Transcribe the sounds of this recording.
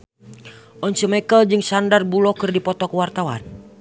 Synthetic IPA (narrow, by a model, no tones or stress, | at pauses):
ʔɔnsəmɛkəld͡ʒɨŋsandarbulɔkɨrdipɔt̪ɔkuwart̪awa̰n